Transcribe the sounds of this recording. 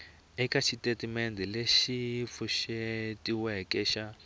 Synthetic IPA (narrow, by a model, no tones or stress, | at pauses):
ɛkat͡ʃʰitetimendɛleʃifuʃetiwɛkɛʃa